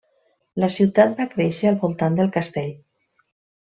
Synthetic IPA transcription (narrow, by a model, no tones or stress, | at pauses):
ləsiwt̪at̪̚bakɾɛʃəːlˠβulˠt̪and̪əlˠkəst̪eʎ